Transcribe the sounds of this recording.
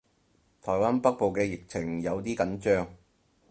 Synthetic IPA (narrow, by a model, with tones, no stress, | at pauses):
t̪ʰɔː˨˩jwaː˥npɐ˥k̚po˨wkɛː˧jɪ˨k̚t͡sʰɪ˨˩ŋjɐ˨˧wt̪iː˥kɐ˨˥nt͡ʃœː˥ŋ